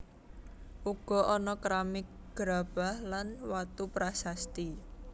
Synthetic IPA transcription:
ʔuɡ̥ɔ̤ʔɔnɔkɾamɪk̚ | ɡ̥ɾa̤b̥a̤hlanwat̪upɾasast̪i

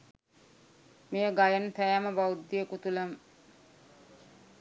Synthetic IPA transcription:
mijəɡajənt̪æjæməbawud̪ːijəkut̪uləm

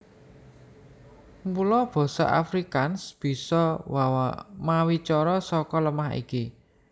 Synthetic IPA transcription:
mpulɔb̥ɔ̤sɔ̰ʔa̰fɾikansb̥i̤sɔwawa̰mawit͡ʃɔɾɔsɔkɔləmaɦḭki

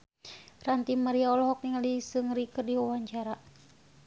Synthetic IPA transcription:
rant̪imaɾiaɔlɔɦɔk̚niŋalisɨŋɾikɨrdiwawaɲt͡ʃaɾa

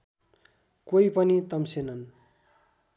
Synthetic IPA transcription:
koipʌnit̪ʌmsenʌn

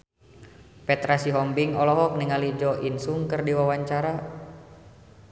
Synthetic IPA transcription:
pɛt̪ɾasiɦɔmbiŋɔlɔɦɔk̚niŋalid͡ʒɔʔinsuŋkɨrdiwawaɲt͡ʃaɾa

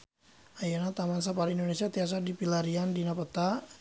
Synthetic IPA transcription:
ajanat̪amans̬apaɾaindonesiat̪ias̬adipilaɾiandinapət̪a

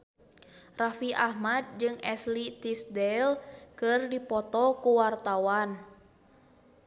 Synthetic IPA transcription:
rafiʔahmad̪̚d͡ʒɨŋɛslit̪isdɛlkɨrdipɔt̪ɔkuwart̪awan

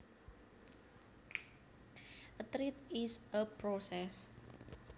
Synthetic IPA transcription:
ʔət̪ɾit̪isəpɾosɛs

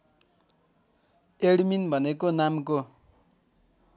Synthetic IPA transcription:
eɽminbʱʌnekonamko

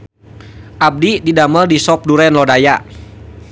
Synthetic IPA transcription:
ʔab̚dididaməldisɔp̚duɾɛnlɔdaja

